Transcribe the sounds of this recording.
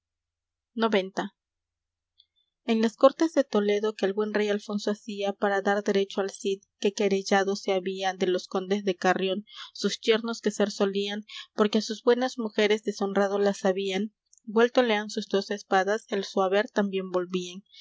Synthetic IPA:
no̞βe̞nt̪a | e̞nlasko̞ɾt̪e̞zðe̞t̪o̞le̞ðo̞ke̞ːlβwe̞nre̞jalfo̞nsoasiapaɾaðaɾðe̞ɾe̞t͡ʃoalsiðke̞ke̞ɾeʝaðo̞seaβiaðe̞lo̞sko̞nd̪e̞zðe̞karjo̞nsust̪je̞ɾno̞ske̞se̞ɾso̞lianpo̞ɾkeasuzbwe̞nazmuxe̞ɾe̞zðe̞so̞nrað̞o̞lasaβian | bwe̞lt̪o̞le̞ansuzd̪o̞se̞spaðase̞lswaβe̞ɾt̪ambje̞mbo̞lβian

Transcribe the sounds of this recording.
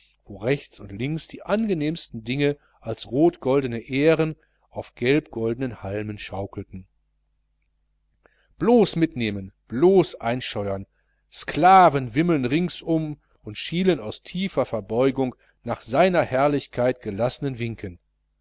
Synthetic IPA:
v̥oːʁɛçt͡sʊntlɪŋksd̥iːʔanɡəneːmstn̩dɪŋə | ʔalsʁoːtɡ̥ɔldənəʔeːʁən | ʔaʊfɡ̥ɛlpɡ̥ɔldənənhalmənʃaʊkl̩tn̩ | b̥loːsmɪtneːmənb̥loːsʔaɪnʃɔʏɐn | skl̥aːvənvɪməl̩nʁɪŋsʊm | ʊntʃiːlənaʊstʰiːfɐfɛɐbɔʏɡʊŋ | naːχz̥aɪnɐhɛɐlɪçkʰaɪtɡ̥əlasənənvɪŋkʰən

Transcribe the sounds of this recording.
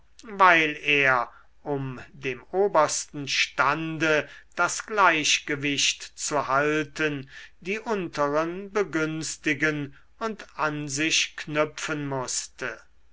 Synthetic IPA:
vaɪleːɐ | ʔʊmdeːmoːbɐstn̩ʃtandəd̥asɡ̥laɪɕɡ̥əvɪʃtt͡suhaltəndiːʔʊntəʁənbəɡʏnst̪ɪɡən | ʊntanzɪʃknʏpfənmʊstə

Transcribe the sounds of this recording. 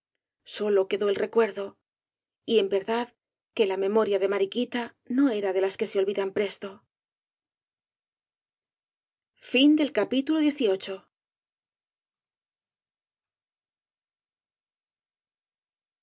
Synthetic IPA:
so̞lo̞ke̞ðo̞elre̞kwe̞ɾðo̞ | ie̞mbe̞ɾðað | ke̞lame̞mo̞ɾjaðe̞maɾikit̪a | no̞e̞ɾaðe̞laske̞seo̞lβiðampɾe̞st̪o̞ | find̪e̞lkapit̪ulo̞ðje̞θio̞t͡ʃo̞

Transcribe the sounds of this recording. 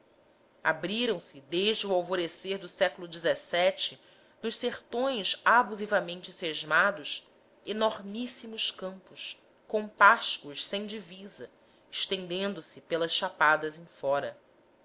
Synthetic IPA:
a̰bɾiɾɐ̃w̃sɪd̪eʒd͡ʒɪuawvoɾeseɾd̪ʊsɛkʊlʊd͡ʒizɛsɛt͡ʃɪ | nʊʃseχt̪õj̃sabuzivɐmẽnt͡ʃɪseʒmad̪ʊʃ | enoɾmisimʊʃskɐ̃mpʊʃ | kõpaʃkʊʃsẽj̃d͡ʒivizɐ | ɪʃt̪ẽnd̪ẽnd̪ʊsɪpelɐsʃapad̪ɐzẽj̃fɔɾɐ

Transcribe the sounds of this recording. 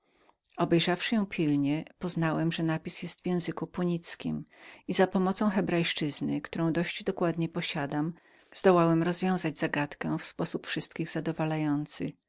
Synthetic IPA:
ɔbɛjʐafʂɘjɔ̃w̃pʲilɲɛpɔznawɛmʐɛnapʲisjɛst̪vʲjɛ̃w̃zɘkupuɲit̪skʲḭmizapɔmɔt̪sɔ̃w̃xɛbɾajʂt͡ʂɘznɘkt̪uɾɔ̃w̃d̪ɔɕd͡ʑd̪ɔkwad̪ɲɛpɔɕad̪am | zd̪ɔwawɛmɾɔzvʲjɔ̃w̃zad͡ʑzaɡat̪kɛ̃fspɔsupfʂɘst̪kʲiɣzad̪ɔvalajɔnt̪sɘ̰

